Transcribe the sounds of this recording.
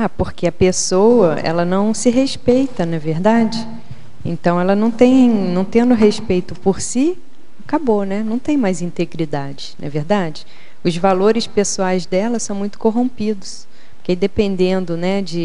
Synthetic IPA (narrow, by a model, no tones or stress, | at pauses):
apoɾkeɐpesowɐɛ̰lɐnɐ̃w̃sɪɦespejt̪ɐnɐveɾd̪ad͡ʒɪ | ḛ̃nt̪ɐ̃w̃ɛlɐnɐ̃w̃t̪ẽj̃nɐ̃w̃t̪ẽnd̪ʊɦespejt̪ʊpoɾsi | akabonɛnɐ̃w̃t̪ẽj̃majzĩnt̪eɡɾid̪ad͡ʒɪnʔɐ̰veɾd̪ad͡ʒɪ | ʊzvaloɾɪspesuajzd̪ɛlɐsɐ̃w̃mũj̃t̪ʊ̥koɦõmpid̪ʊs | pʊked̪epẽnd̪ẽnd̪ʊnɛd͡ʒɪ